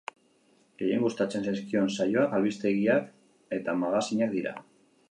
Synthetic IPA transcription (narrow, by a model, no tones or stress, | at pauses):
ɡejeŋɡust̪at͡se̞nsajskio̞nsajo̞akalβist̪e̞ɣiak | e̞t̪amaɣasiɲak̚d̪iɾa̰